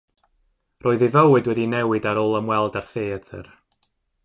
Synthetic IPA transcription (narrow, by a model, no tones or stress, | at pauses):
roːɨðivəwɨdwɛdinɛwɨdaɾoːlˠəmwɛlˠdarθeːətʰə̰r